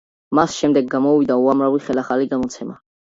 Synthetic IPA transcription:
masʃɛmd̪ɛɡːamɔvid̪auamɾaviχɛlaχaliɡamɔt̪sʰɛma

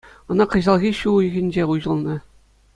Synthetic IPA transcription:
ɤ̆nɑqɤ̆ʑɑlˠɣʲiɕujɣʲɘ̆nʲd͡ʑeuʑɤ̆lˠnɤ̆

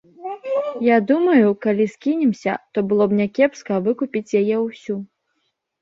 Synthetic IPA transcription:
jad̪umɐjukalʲiskʲinʲɛmsʲɐ̰t̪ɔbɨlˠɔbnʲɛkʲɛpskɐvɨkupʲit͡sʲjajɛwsʲu

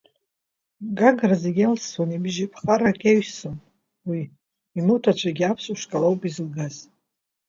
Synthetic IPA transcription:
ɡaɡrazeɡʲelswanibɪʒipʰχaɾakʼeɥson | wi | imɨwtʰat͡ʃʷʰaɡʲiapʰsʼuʃʷkʼalowpʼizɨlɡaz

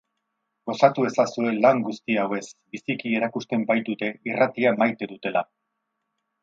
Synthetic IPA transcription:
ɡ̥o̞sat̪ue̞sasue̞laŋɡust̪iawe̞sbisikie̞ɾakust̪e̞mbajt̪ut̪e̞irat̪iamajt̪e̞ðut̪e̞la

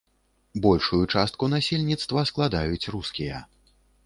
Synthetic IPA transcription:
bɔlʲʂujut͡ʂast̪̚kunasʲelʲnʲit̪st̪vɐsklˠad̪ajut͡sʲruskʲijɐ

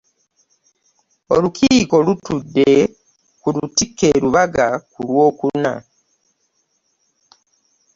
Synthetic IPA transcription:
olukʰiːko̞lutudːe | kulutikːeɾuβaɡakulwo̞ːkuna̰

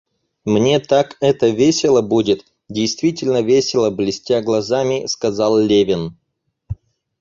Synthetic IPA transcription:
mnʲe̞t̪akɛt̪əvʲesʲɪlˠəbudʲɪt̪ | dʲɪjst̪vʲitʲɪlʲnəvʲesʲɪlˠəblʲɪsʲtʲaɡlˠɐzamʲɪskɐzɑlˠlʲevʲɪn

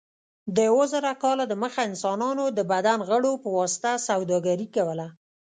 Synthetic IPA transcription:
d̪əjawozəɾakɑlad̪əməxaɪnsɑnɑnod̪əbad̪anɣəɽopəwɑsɪ̥t̪asawd̪ɑɡaɾikawəla

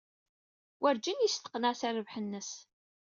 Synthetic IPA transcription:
wʔæɾd͡ʒinjist̪ə̥qːnæsarəvħənːəs

